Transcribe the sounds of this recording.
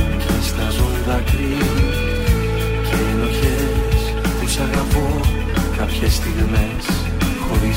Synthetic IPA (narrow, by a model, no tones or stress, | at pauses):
cest̪ɐzunðɐkɾi | celo̞çe | s | t̪usɐɣɐpo | kɐpçest̪iɣme̞s | xo̞ɾi